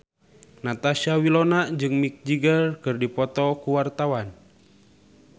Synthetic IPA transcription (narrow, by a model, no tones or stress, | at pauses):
nat̪aʃawilɔnad͡ʒɨŋmik̚d͡ʒiɡərkɨrdipɔt̪ɔkuwart̪awan